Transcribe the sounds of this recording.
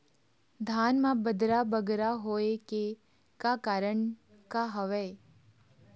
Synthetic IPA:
d̪ʱaːnmãbəd̪ɾabəɡɾaɦoːeke | kakaːɾəɳ | kaɦəʋəe

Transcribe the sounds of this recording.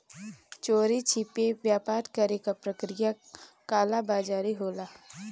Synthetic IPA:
t͡ʃoːɾit͡ʃʰipeʋjaːpaːɾkɐɾekapɾɐkɾɪjakaːlabaːd͡ʒaːɾiɦoːlaː

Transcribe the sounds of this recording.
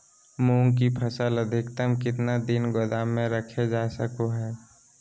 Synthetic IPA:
muːŋkipʰəsələd̪ʱɪkt̪əmkɪt̪nad̪ɪnɡod̪amːẽɾəkʰed͡ʒaːsəkoɦɛː

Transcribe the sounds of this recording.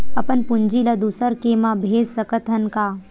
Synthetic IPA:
ɐpənpʊnd͡ʒilɐd̪usəɾkemãbʱeːd͡ʒsəkət̪ʰənkaː

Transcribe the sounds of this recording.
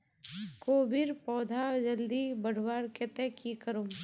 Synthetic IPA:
koːbiɾpɔːd̪ʱad͡ʒəld̪ibəɽ̤waːɾket̪ɛkikəɾoː

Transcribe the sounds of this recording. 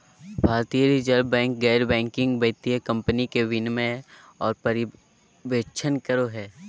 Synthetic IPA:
bʱaːɾt̪ijəɾid͡ʒəɾbɛ̃ːŋk̚ɡɛːɾbɛ̃ːŋkɪ̃ŋɡbeːt̪iəkɐ̃mpənikeʋɪnmẽ | ɔːɾpɐɾɪ | ʋeːt͡ʃʰənkəɾoɦɛː

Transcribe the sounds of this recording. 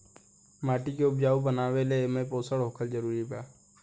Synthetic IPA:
maːʈikeʊbd͡ʒaːubənaːʋeleemẽːpoːsəɽɦoːkʰəld͡ʒəɾuːɾipaː

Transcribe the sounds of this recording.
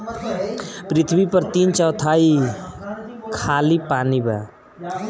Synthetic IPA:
pɾit̪ʰbipʌɾt̪int͡ʃʌwt̪ʰai | kʰalipaniba̰

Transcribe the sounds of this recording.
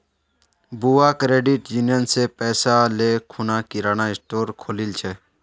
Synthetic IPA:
buakɾeːɖiʈjuːnjənsepɛːsalekʰunakiɾanaɪsʈoːɾkʰoːlilt͡ʃʰe

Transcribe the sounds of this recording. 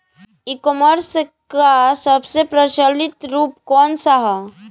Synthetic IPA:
ikoməɾskasəbsepɾət͡ʃəlɪt̪ɾuːpkɔːnsaɦa

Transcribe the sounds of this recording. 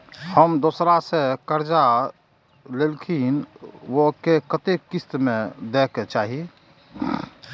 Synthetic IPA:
həmd̪oːsɾasekəɾd͡ʒa | lelkʰinʋokekət̪ekːɪst̪mẽd̪eːkt͡ʃaːɦie

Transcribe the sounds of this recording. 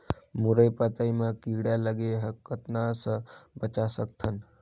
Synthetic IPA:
muɾəjpat̪ajmãkiɡɽjaləɡeɦəkːət̪nasəbət͡ʃasək̚t̪ʰən

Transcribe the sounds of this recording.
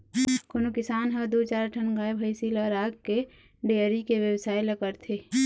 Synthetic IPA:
konokɪsaːnɦəd̪ut͡ʃaːɾʈʰənɡaːebʱəɪsiləɾaːɡke | ɖeɾikeʋjəwsaːiləkəɾt̪ʰe

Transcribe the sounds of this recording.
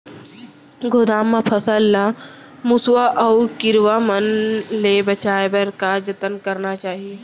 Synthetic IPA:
ɡoːd̪aːmːãpʰɐsəlːa | mʊswaʔɐukɪɾʋamənleːbɐt͡ʃaːebəɾkad͡ʒɐt̪ənkɐɾnat͡ʃaːɦieː

